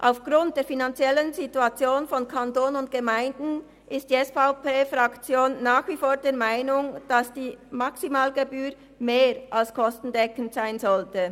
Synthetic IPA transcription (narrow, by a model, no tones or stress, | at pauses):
ʔaʊfɡ̥ʁʊnt̚d̥eːɐfinant͡sjɛlənzituat͡sjoːnfɔnkʰantoːnənʊntɡ̥əmaɪndn̩ | ʔɪstd̥iːɛsfaʊpeːfʁakt͡sjoːnːaːxv̥ifoːɐdeːɐmaɪnʊŋd̥asd̥iːmaksimaːlɡebyːɾ | meːɾʔalskʰɔstn̩dɛkən̩tz̥aɪnzɔltə